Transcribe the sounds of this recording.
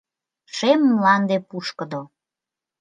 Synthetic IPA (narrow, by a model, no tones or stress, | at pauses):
ʃemːlɑnd̪epuʃkəd̪o